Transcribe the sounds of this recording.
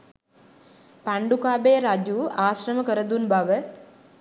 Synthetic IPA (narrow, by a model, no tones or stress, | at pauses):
paɳɖukaːbejəɾad͡ʒuːaːsrəməkəɾəd̪unbaʋə